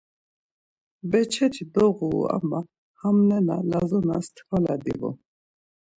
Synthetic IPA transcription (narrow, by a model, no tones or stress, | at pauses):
bɛt͡ʃʰɛt̪ʰid̪ɔɣua̰ma | hamnɛnalazɔnast̪ʰvʰalad̪ḭvṵ